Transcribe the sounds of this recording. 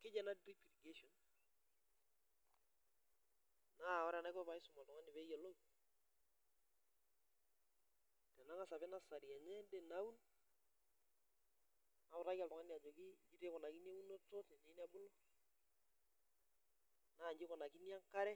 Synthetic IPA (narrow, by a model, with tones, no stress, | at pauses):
kɪ˦d͡ʒɛ˨na˦dɾi˦pi˨ɾɡe˦ʃɔ˨n | na˦˨ɔ˦ɾɛ˨na˦kɔ˦pa˨ɪ˦sʊ˨ma˨ltɔ˨ŋa˦nɪ˨bɛ˦jɛ˨lo˦ | d̥ɛ˨na˦ŋa˦sa˨bɪ˦na˦sa˨ɾi˨a˨ɲɛ˦dɛ˨na˦u˦n | na˨ʊ˨ɾa˦ka˨ltɔ˨ŋa˦ni˨a˨d͡ʒɔ˨kɪ˦d͡ʒi˦te˦kɔ˨na˨ki˦ni˦e˦u˦nɔ˦tɔ˦tnɛ˨ne˨˦ni˦a˦bʊ˦lɔ˦ | na˦˨ɲd͡ʒɪ˦kɔ˨na˨ki˦ni˦a˦ŋka˦ɾɛ˦